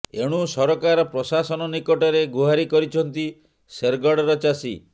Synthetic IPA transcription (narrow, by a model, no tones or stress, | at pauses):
eɽ̃usɔɾɔkaɾɔpɾɔsasɔnɔnikɔʈɔɾeɡuɦaɾikɔɾit͡ʃʰɔnt̪i | seɾɡɔɽɔɾɔt͡ʃasḭ